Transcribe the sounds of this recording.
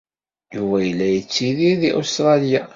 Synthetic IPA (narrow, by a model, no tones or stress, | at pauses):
juvæjəlːæjət͡sːiðiðiʔust̪ɾˤɑlija